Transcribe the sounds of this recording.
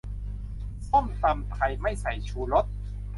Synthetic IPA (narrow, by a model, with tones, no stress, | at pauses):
so˥˩mt̪a˧mt̪ʰa˧jma˥˩jsa˩˦jt͡ɕʰuː˧ɾo˦˥t̪̚